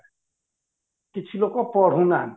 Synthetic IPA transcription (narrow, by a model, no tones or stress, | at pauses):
kit͡ʃʰilokɔpɔɽ̤ũna